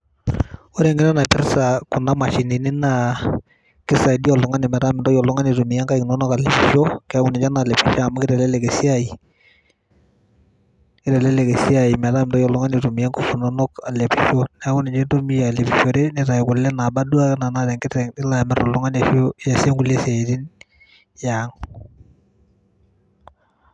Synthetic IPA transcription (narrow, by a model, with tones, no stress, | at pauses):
o˦ɾɛ˨ŋɡɪ˦na˦na˨pɪ˦ɾsa˨ku˨na˦ma˨ʃi˨ni˨nɪ˦na˨ | kɪ˦sa˨i˨di˦ɔ˨lu˨ŋa˦nɪ˨mɛ˨ɾa˦mɪ˨ndɔ˦jɔ˨lʊ˦ŋa˦ni˨tu˨mi˨ja˦ŋka˦knɔ˦nɔ˦ka˨le˨pi˨ʃo˦kɛ˨˦ku˦nɛ˨t͡ʃa˦na˨lɛ˨pi˨ʃa˦˨ma˦kɪ˦ɾɛ˨lɛ˦lɛ˨ɡe˨si˦a˦˨i˨ | kɪ˦ɾɛ˨lɛ˦le˨ke˨si˦a˨i˨mɛ˨ta˦mɪ˨ndɔ˦jɔ˨lʊ˦ŋa˦ni˨to˨mi˨ɛ˦ŋku˨fu˨nɔ˦nɔ˦ka˨le˨pi˨ʃo˦nɛ˨˦kʊ˦nɛ˨t͡ʃe˦to˦mi˦ja˨le˨pi˨ʃo˨ɾe˦nɛ˨ta˨kʊ˨lːɛ˦na˨ba˦du˦a˦na˨natɛ˨ŋkɪ˦tɛŋɪ˦la˨mɛ˦ɾɔ˨lʊ˦ŋa˦na˨o˦ja˨se˦ŋɡu˨le˦sɛ˨e˨di˦n | jaŋ